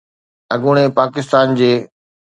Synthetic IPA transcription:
ɐɡʊɽ̃epaːkɪst̪aːnd͡ʑeː

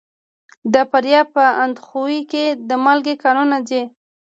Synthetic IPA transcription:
d̪apaɾjɑpəand̪xuwiked̪əmalɡekɑnonad͡ʒe

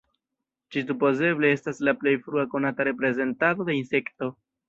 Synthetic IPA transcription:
t͡ʃisupo̞ze̞ble̞e̞staslaple̞jfɾuako̞nataɾe̞pɾe̞ze̞ntado̞d̪e̞inse̞kto̞

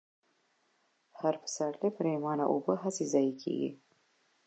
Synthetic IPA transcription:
haɾpə̥saɽlepəɾemɑna̰ʔobəɦasezɑjikʰḛɡḭ

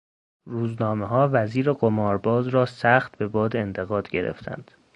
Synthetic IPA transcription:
ruːznɒːme̞ɦɒːvæziːɾeɡomɒːɾbɒːzɾɒːsæxt̪̚be̞bɒːd̪eent̪ʰe̞ɣɒːd̪̥ɟe̞ɾḛft̪ʰæ̰nd̪̥

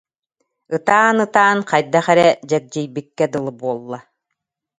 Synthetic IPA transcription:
ɯt̪aːnɯt̪aːnqajd̪aχɛɾɛd͡ʑɛk̚d͡ʑijbikːɛd̪ɯlˠɯbuɔlˠːa

